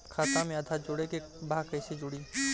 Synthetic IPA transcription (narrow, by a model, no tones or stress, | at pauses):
kʰat̪amẽəd̪ʱad͡ʒoɽekebʱaːkəjsed͡ʒoɽi